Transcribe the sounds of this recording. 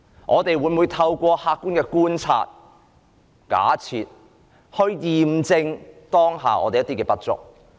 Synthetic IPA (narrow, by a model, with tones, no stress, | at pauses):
ŋʔɔː˨˧t̪e˨jwuː˨˧jmu˨˧jt̪ʰɐ˧wkʷɔː˧haː˧kːuː˥nkɛː˧kuː˥nt͡sʰa̰ː˧t̚ | ka̰ː˨˥t͡sʰiː˨t̚ | hɵ˧ɥjiː˨˩mt͡sɪ˧ŋt̪ɔː˥ŋɦa̰ː˨˩ʔɔ̰ː˨˧t̪e˨jɐ˥t̪iː˥kɛː˧pɐ˥t̚t͡sʊ̰˨k̚